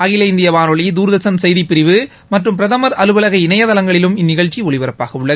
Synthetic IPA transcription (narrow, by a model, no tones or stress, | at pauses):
ɐɣɪlɐɪnd̪ɪjɐʋaːnɔɭid̪uːɾɯðɐsɐnsɐjðipːɪɾɪʋɯ | mɐʈrɯmpɪɾɐðɐmɐɾɐlɯʋɐlɐɣɐɪnɐjɐðɐlɐŋɡɐɭɪlɯmɪnːɪɣɐɭt͡ʃːiɔɭɪʋɐɾɐpːa̰ːɣɐɯɭːɐð